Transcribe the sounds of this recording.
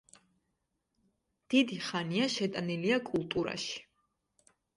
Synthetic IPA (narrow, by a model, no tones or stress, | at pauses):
d̪̥id̪iχaniaʃɛt̪ʼaniliakʼulˠt̪ʼuɾa̰ʃi̥